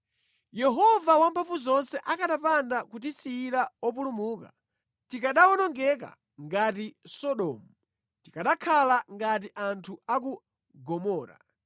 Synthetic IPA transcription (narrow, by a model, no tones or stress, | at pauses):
jɛɦɔvawampʰafuzɔnsɛʔakaɗapandakut̬isiːɾaɔpulumuːka̰ | tikaɗaɔnɔŋɡɛk̬a̰ | ŋɡatisɔɗɔːmu | tikaɗakʰalaŋɡat̬iʔantʰuak̬u | ɡɔmɔːɾa̰